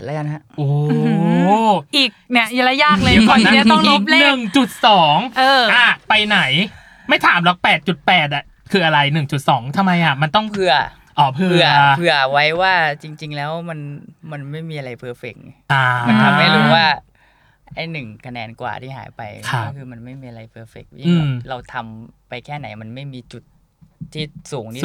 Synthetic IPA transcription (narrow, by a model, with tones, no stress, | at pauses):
lɛ˦˥ka˧nɦa˦˥ʔoː˧˩ | ʔiː˨˩kni˥˩ɐja˧˥la˧˥jaː˥˧˩klɤː˧jkɔː˧˩na˥˧˥t̪ɔ˥ŋlu˦˥p̚lnɯ˨˩ŋt͡ɕu˨˩t̪̚sɔː˩˦ŋʔɤː˧ʔa˧˩pa˧jna˩˦j | ma˥˩jt̪ʰaː˩˦mlɔ˦˥k̚pɛː˨˩t̪̚t͡ɕu˨˩t̪̚pɛː˨˩t̪̚ʔa˨˩ | kʰɯː˧ʔa˧ɾa˧jnɯ˨˩ŋt͡ɕu˨˩t̪̚sɔː˩˦ŋt̪ʰa˧mːa˧jʔa˨˩ma˧nt̪ɔ˥˩ŋpʰɯ˧˥˩ɐ | ʔɔː˧˩pʰɯ˧ɯ˧˩ɐpʰɯ˧˩ɐwa˦˥jwaː˥˩t͡ɕi˧ŋt͡ɕi˧ŋlɛː˦˥wma˧nma˧nma˥˩jmiː˧ʔa˧ɾa˧jpʰɯ˧ɐfe˨˩k̚ʔaː˧˩a˧ma˥˩jɾuː˥˩waː˥˩ | ʔa˧˥˩jnɯ˨˩ŋkʰa˧nɛː˧nkwa̰ː˨˩t̪ʰiː˥˩ɦa̰ː˩˦jpa˧jkʰa˦˥ɔ˥˩kʰɯː˧ma˧nma˥˩jmiː˧ʔa˧ɾa˧jpʰɯː˧ɐfe˨˩k̚i˥˩ʔɯː˧m˩ɾa˧wt̪ʰa˧mpa˧jkʰɛː˥˩na̰˩˦jma˧nma˥˩jmiː˧t͡ɕu˨˩t̪̚ʰː | iː˥˩suː˩˦ŋt̪ʰiː˥˩